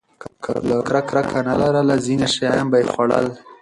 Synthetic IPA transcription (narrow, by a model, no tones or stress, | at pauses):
kʰa̰lakɾakɾakʰanalaɾəlazineʃajajambajexwaɽə̰l